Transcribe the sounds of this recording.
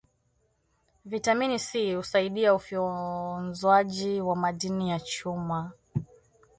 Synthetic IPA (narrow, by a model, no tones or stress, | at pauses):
vitaminisihusaiɗiaufɔnzwaʄiwamaɗinijat͡ʃuma